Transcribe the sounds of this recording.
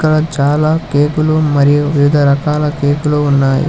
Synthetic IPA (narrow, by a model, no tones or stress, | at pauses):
kɐɽɐt͡ʃaːlaːkeːkulumɐɾijuʋiʋid̪ʱɐɾɐkaːlɐke̞ːkuluːnːaːjṵ